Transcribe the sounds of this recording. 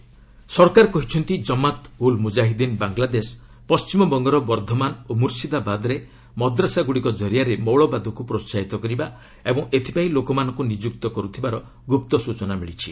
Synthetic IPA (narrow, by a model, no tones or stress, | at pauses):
sɔɾkaɾkɔɦit͡ʃʰɔnt̪id͡ʒɔmat̪ulmud͡ʒaɦid̪inbaŋɡlad̪es | pɔst͡ʃimɔbɔŋɡɔɾɔbɔɾd̪ʱɔmanomuɾsid̪abad̪ɾe | mɔd̪ɾasaɡuɽikɔd͡ʒʱɔɾijaɾemɔwɭɔbad̪ʱɔkupɾot͡ʃaɦit̪ɔkɔɾiba | ebɔŋʔet̪ʰi̥paĩlokɔmanɔ̃ŋkunid͡ʒukt̪ɔkɔɾut̪ʰibaɾɔ | ɡup̚t̪ɔsut͡ʃɔnamiɭit͡ʃʰi